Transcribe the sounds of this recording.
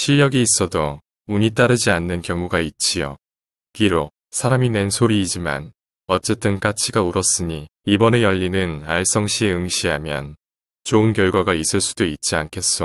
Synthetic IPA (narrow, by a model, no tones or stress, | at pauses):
ɕʰijʌɡiːs͈ʌdo | uɲit͈aɾɯd͡ʑianːɯnkjʌŋuɡait̚t͡ɕ͈ijo̰ | kiɾo | sʰaɾamine̞nsʰoɾiːd͡ʑima̰n | ʌt͡ɕ͈e̞t͈ɯnk͈at͡ɕʰiɡauɾʌs͈ɯɲiibʌne̞jʌʎːinɯnaɭs͈ʌŋɕʰieɯŋɕʰiɦamjʌ̰n | t͡ɕoɯnkjʌɭɡwaɡais͈ɯɭs͈udoit̚t͡ɕ͈iankʰe̞s͈ʌ